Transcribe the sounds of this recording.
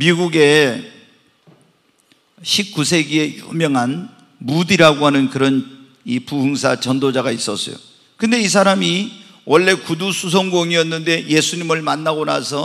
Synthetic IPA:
miɡuɡe̞ | ɕʰip̚k͈usʰe̞ɡie̞jṵmjʌŋɦan | mudiɾaɡoɦanɯnkɯɾʌn | ipuhɯŋsʰat͡ɕʌndod͡ʑaɡais͈ʌs͈ʌ̰jo̰ | kɯnde̞is̬ʰaɾami | wʌɭːe̞kudusʰus̬ʰʌŋɡoŋiʌnːɯnde̞je̞sʰuɲimɯɭmanːaɡona̰sʰʌ

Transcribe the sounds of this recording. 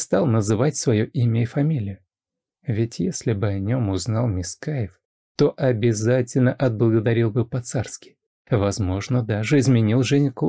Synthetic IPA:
st̪ɑlˠnəzɨvatʲsvɐjoʔimʲəɪfɐmʲilʲɪjʊ | vʲɪtʲjesʲlʲɪbɨɐnʲomʊznɑlˠmʲɪskajɪf | t̪o̞ʔɐbʲɪzatʲɪlʲnəʔɐd̪̚blˠəɡəd̪ɐɾʲilˠbɨpɐt̪sarskʲɪ̥j | vɐzmo̞ʐnəd̪aʐɨɪzmʲɪnʲilˠʐɛnʲɪk

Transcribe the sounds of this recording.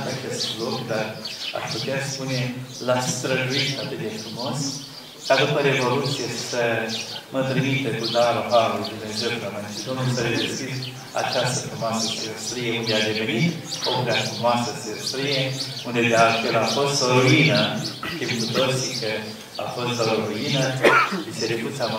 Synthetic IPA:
t̪a̰t͡ʃest̪lokd̪ara̰ʃput̪easpune̞last̪ɾəʒuit̪at̪ɨd̪efɾumo̞s | kad̪upəɾe̞vo̞lut̪sije̥səmət̪ɾimit̪ekud̪aɾovaɾlujd̪uvenzet̪ulamant͡ʃid̪omesəled̪eskʲid̪ | a̰t͡ʃast̪əfɾumoasəselost̪ɾijeund̪ead̪e̞venit̪ | opɾeafɾumoasəseost̪ɾije | und̪ed̪ealfelafo̞st̪oɾuinək̪ebukut̪osikə | a̰fo̞st̪oɾuinəʃised̪ekusam

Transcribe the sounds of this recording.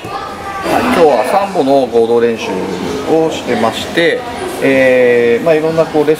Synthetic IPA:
haikʲo̞ːβasãmbo̞no̞ɡo̞ːd̪o̞ːɾẽ̞ɰ̃ɕɨ̰oɕi̥t̪e̞maɕi̥t̪e̞ː | maiɾõ̞nːako̞ːɾe̞

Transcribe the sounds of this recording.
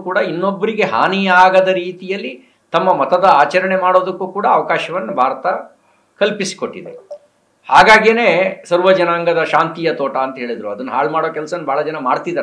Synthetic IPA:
kuːɽɐinːobːɐɾiɡe̞ɦa̰ːnijɐaːɡɐd̪ɐɾiːt̪ijɐlːi | t̪ɐmːɐmɐt̪ɐd̪ɐaːt͡ʃɐɾɐɳe̞maːɽo̞ːd̪ɐkːuːkuːɽɐːʋɐkaːʃɐʋɐnːɐbʱaːɾɐt̪ɐ | kɐlpisi̥koʈːid̪e̞̰ | haːɡaːɡene̞ːsɐɾʋɐd͡ʒɐnaːŋɡɐd̪ɐʃaːnt̪ijɐt̪oːʈɐːnt̪ɐɦe̞ːɭid̪ɾuɐd̪ɐnːɐɦa̰ːɭmaːɽoːkɛlsɐnːubʱaːɭɐd͡ʒɐnɐma̰ːɽt̪id̪ɐ

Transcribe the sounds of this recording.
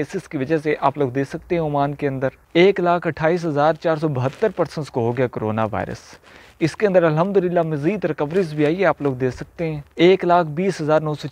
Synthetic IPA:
eːsɪskiʋəd͡ʒɛseʔaːploːɡd̪eːsɐk̚t̪eɦɛ̃ʊmaːnkeə̃nd̪əɾ | eːklaːkʰəʈʰaːiːs̬ɦəzaːɾt͡ʃaːɾs̬ɔːbɐɦət̪ːəɾpəɾsə̃nskoɦoɡɪjakoɾo̰ːnaːʋa̰ːɪɾə̰s | ɪskeə̃nd̪əɾəlɦəmd̪ʊlɪlːaːmɐziːd̪ɾɪkəʋɾɪzbʱiaːieaːploːɡ̚d̪eːsɐk̚t̪eɦɛ̃ːeːklaːkʰbiːsɦəzaːɾnɔːsɔː

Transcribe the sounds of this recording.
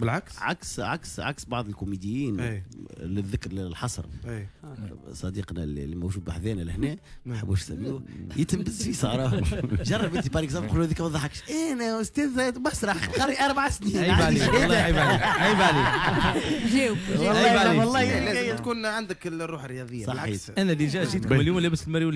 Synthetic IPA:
bəlʕaksʕaksʕaksʕaksbɑʕðˤəlkʊmid̪ɪjiːnjlɪðːɪkɾlɪlħɑsˤɾˤjsˤɑd̪iːqnæ̰lmowʒuːd̪̚baħðɛːnælɪhnɛː | mnħəbːuʃsæmːuːjɪt̪mbɪzfisˤɑ̰ɾˤɑːʒɑrˤːɑbʔɪnt̪ipɑɾiːksˤɑfquluðikmæðˤɑħɑkʃʔænɛʊst̪ɛːðbæsɾˤɑħqɑrˤːiʔɑɾˤbaʕasniːaiæːlːbʕliʔæjbʕali | ʒɛːw | lˤːɑːæjːt̪kuːnʕand̪əklrːuːħərːəjɑðˤəjːasˤɑħiʔænæliʒæʔʒiːt̪kmɪljuːmlæbɪslmæɾil

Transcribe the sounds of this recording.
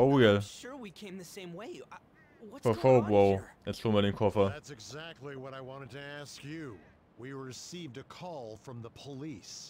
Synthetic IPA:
oʊjɛʃʊɹwikʰẽɪ̃mðɨsẽɪ̃mweɪ | wʌfəfoʊbwoɨtsomɛnɪ̃ŋkʰɔfəðætsɨɡzæk̚tˡliwʌɾaɪwɑ̃ɾ̃ɨd̚tʰɨæskjɨ | wiɹɪsivdɨkʰɔlˠfɹʌ̃mðəpʰəlis

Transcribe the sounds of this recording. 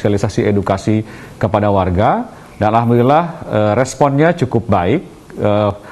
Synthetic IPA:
ialisasiedukasi | kəpadawarɡa | danalɦamduilahərɛspɔnɲat͡ʃukʊp̚baɪk̚ | ə

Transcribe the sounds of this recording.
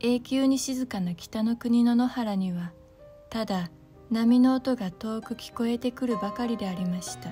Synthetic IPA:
e̞ːkʲɨːɲ̟iɕizɨkanakʲi̥t̪ano̞kɯ̟ɲ̟ino̞no̞haɾaɲ̟iβa | t̪ad̪a | namʲino̞ːt̪o̞ɡat̪o̞ːkɯ̟kʲi̥ko̞e̞t̪e̞kɯ̟ɾɯ̟bakaɾʲid̪e̞aɾʲimaɕi̥t̪a

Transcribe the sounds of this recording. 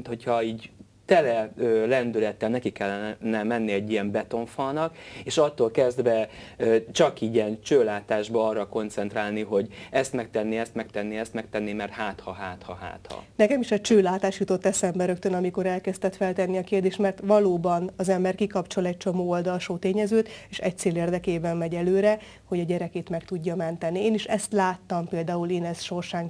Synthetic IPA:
t̪ho̞chɒiːɟ | t̪ɛlɛøːlɛnd̪ylɛt̪ːɛlnɛkikːɛlːɛnɛmɛnːiɛɟːiɛmbɛt̪o̞ɱfɒːnɒkeːʃɒt̪ːoːlkɛzd̪vɛøt͡ʃɒkiːɟiɛnt͡ʃøːlaːt̪aːʒbɒɒrːɒko̞nt̪sɛnt̪raːlniɦo̞ɟɛst̪mɛk̚t̪ɛnːiɛst̪mɛk̚t̪ɛnːiɛst̪mɛk̚t̪ɛnːimɛrt̪haːt̪hɒɦaːt̪hɒ̰ɦa̰ːt̪hɒ̰nɛkɛmiʃɛt͡ʃøːlaːt̪aːʃjut̪o̞t̪ːɛsɛmbɛɾøk̚t̪ønɒmiko̞ɾɛlkɛst̪ɛt̪fɛlt̪ɛnːiɒkeːrd̪eːʃt̪mɛrt̪ʋɒloːbɒnɒzɛmbɛrkikɒpt͡ʃo̞lɛc̚t͡ʃo̞moːold̪ɒlʃoːt̪eːɲɛzøːt̪eːʃɛc̚t̪seːleːrd̪ɛkeːbɛmmɛɟɛløːɾɛ | ho̞ɟɒɟɛɾɛkeːt̪mɛkt̪uɟːɒmɛnt̪ɛnieːniʃɛst̪laːt̪ːɒmpeːld̪aːuleːnɛsʃo̞rʃaːŋ

